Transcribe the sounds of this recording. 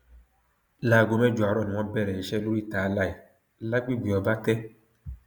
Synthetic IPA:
la˨ɡo˨mɛ˦d͡ʒwa˨ɾɔ˦˨nĩ˨wɔ̃˦bɛ˦˨ɾɛ˨ɛ˨ʃɛ˦lu˦i˦taː˨˦la˦˨i˨ | la˦ɡ͡bi˦ɡʷi˨ɔ˨ba˦tɛ˦

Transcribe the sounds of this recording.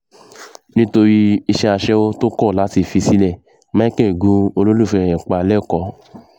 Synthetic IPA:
nĩ˦to˧ɾi˦i˧ʃɛ˧a˧ʃɛ˦wo˦to˦kɔ˦˨la˨˦ti˧˨fi˧si˦nɛ˦˨ | mã˦kɛ̃˦˨ɡũ˨˦o˧lo˦lu˦˨fɛ̃˧˨ɛ̃˨k͡pa˧lɛ˦˨kɔ˧˦

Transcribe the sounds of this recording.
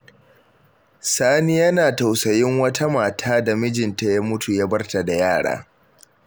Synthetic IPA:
saː˦ni˦jɐ˦naː˨ta˨wsɐ˨jɪ˦ŋwɐ˦tʰa˦maː˨tʰaː˦da˨mɪ˦d͡ʒɪ˨nta˦ja˦mʊ˦tu˨ja˦bɐ˦rta˨da˨jaː˦˨ɽa̰ː˦

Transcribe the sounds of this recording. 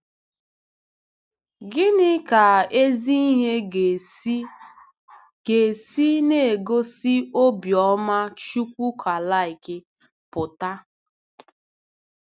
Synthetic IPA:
ɡɪ˦nɪ˦ka˨e˦zi˦i˦ɦe˦ | ɡe˨si˦ne˦e˨ɡo˦si˦o˦bjɔ˦ma˦t͡ʃu˦kʷu˦kʰa˨la˦i˨kɪ˦ | pʊ˨ta˦

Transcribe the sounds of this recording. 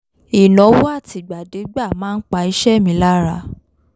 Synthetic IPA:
i˨nɔ̃˨˦wo˦a˦˨ti˨˦ɡ͡ba˨de˨˦ɡ͡ba˦˨mãː˦n̩˦k͡pa˧˦i˨˦ʃɛ˦˨mĩ˧˦la˦ɾa˧˦

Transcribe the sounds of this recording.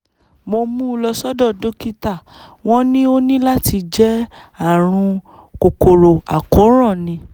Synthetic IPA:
mo˧mũ˦˧lɔ˧sɔ˦dɔ˦˨do˦ki˦ta˦˨ | w̃ɔ̃˦nĩ˦o˦nĩ˦la˦ti˧d͡ʒɛ˦a˦˨ɾ̃ũ˧ | ko˨ko˨ɾo˨a˨ko˨˦ɾ̃ɔ̃˦˨nĩ˧˦

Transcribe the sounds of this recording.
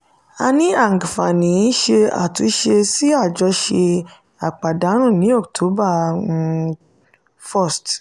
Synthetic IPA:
a˧nĩ˦a˦˨ŋ˨ɡfa˨nĩ˨˦ʃe˧a̰˨tu˨˦ʃe˧si˦a˦˨d͡ʒɔ˨˧˦ʃe˧ | a˨k͡pa˨da˨˦ɾ̃ũ˦˨nĩ˨˦ɔ˦˨ktʰo˨˦ba˦˨˧ | fɔ˦˨st

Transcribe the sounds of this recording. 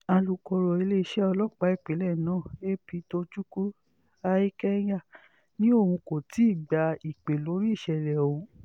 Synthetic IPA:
a˧lu˨kɔ˧ɾɔ˨e˧le˦i˦ʃɛ˦ɔ˧lɔ˦k͡pa˨˦i˦˨k͡pe˨˦lɛ˦˨nãː˦˨e˦pi˨˧˦to˧d͡ʒu˦ku˦ | a˧i˦kɛ˦ja˦˨ | nĩ˦o˦˨hũ˧ko˨ti˨˦i˦˨ɡ͡ba˧i˨k͡pe˨lo˨˦ɾi˦˨ʃɛ˧˨ɾɛ˨o˨ũ˧˦

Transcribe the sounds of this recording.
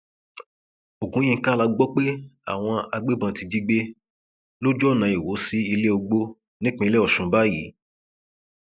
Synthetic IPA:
o˨ɡũ˨˦j̃ĩ˧˨˧ka˦la˧ɡ͡bɔ˦k͡pe˦a̰˦˨w̃ɔ̃˧a˧ɡ͡be˦bã˧˨ti˧d͡ʒi˦ɡ͡be˦ | lo˦d͡ʒɔ˦˨nã˨˦i˨wo˨˦si˦i˧le˦o˧ɡ͡bo˧ | nĩ˦k͡pĩ˧i˧˦lɛ˦ɔ˨ʃũ˨ba˦jḭ˨˦

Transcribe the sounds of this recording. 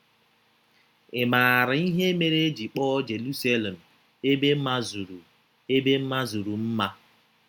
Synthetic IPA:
ɪ˨ma˨ɾɪ˨i˦ɦe˦me˨ɾe˦di˨k͡pɔ˦d͡ʒe˨lu˦sa˦le˨m̩˨ | e˦be˦m̩˦ma˦zu˨ɾu˨ | e˦be˦m̩˦ma˦zu˨ɾu˨m̩˦ma˦

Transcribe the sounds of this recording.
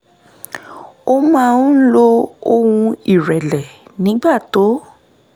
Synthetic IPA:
o˦mã˦˧ũ˦lo˦o˦˧wũ˧i˦˨ɾɛ˨lɛ˨nĩ˨˦ɡ͡ba˦˨to˨˦

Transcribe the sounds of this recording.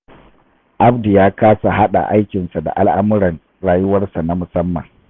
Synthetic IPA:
ʔa˦bdi˨jaː˦kaː˦sa˨ɦa˦ɗa̰˨ʔa˦jkʲɪ˨nsa˨da̰˨ʔa˦lʔa˦mʊ˦ɾɐ˨n | ɽaː˨jʊ˦wɐ˦rsa˨na˦mʊ˨sɐ˦mːɐ̰˨ŋ

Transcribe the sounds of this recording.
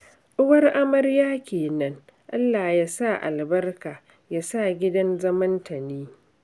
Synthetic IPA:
ʔʊ˦wɐ˦rʔa˦mɐ˦rjaː˦kʲeː˨nɐ˦ŋʔa˦lːaː˨jaː˦sa˦˨ʔa̰˨lbɐ˦rkaː˨ | jaː˦saː˦˨ɡʲɪ˦dɐ˦nzɐ˦mɐ˦ntʰɐ˨niː˦

